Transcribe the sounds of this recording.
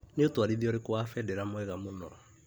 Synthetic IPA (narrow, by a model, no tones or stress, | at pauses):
neotoaɾiðiɔɾekowafɛdɛɾamoɛɣamonɔɔ